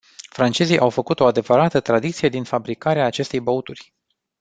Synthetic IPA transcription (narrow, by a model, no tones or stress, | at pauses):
fɾant͡ʃe̞zijʔawfəkut̪o̞ad̪e̞vəɾat̪ət̪ɾad̪it̪sije̞d̪infabɾikaɾeaːt͡ʃe̞st̪e̞jbout̪urʲ